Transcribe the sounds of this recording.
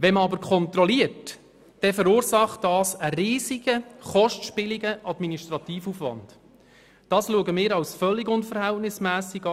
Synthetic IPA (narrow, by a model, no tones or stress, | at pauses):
ʋɛməɑbəɾkʰɔntrɔliərt | d̥ɛfəɾuːɾsɑχtd̥ɑːsəɾiːsiɡəχɔʃtʃpɪliɡəʔɑdminiʃtrɑtiːfufʋɑ̰nd̥ | d̥ɑːsluəɡəmɪːɾɑwsfœlːɪɡʊnfəɾhɛltnɪsmæːsiɡɑ